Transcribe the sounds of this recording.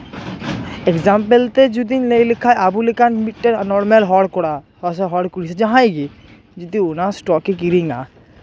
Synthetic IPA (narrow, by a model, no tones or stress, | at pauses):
ekzampelt̪ed͡ʒud̪inlejlekʰajabulekʰanmiʈʈːeɾnɔɾmelɦɔɽkɔɽahɔseɦɔɽkuɾised͡ʒãɦajɡi | d͡ʒud̪ionasʈɔkikiɾiŋa